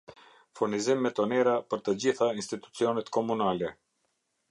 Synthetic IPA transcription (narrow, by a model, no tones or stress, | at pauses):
fuɾnizimːɛt̪ɔnɛɾapəɾt̪əd͡ʑiθainst̪it̪u̥t͡siɔnɛt̪kɔmunalɛ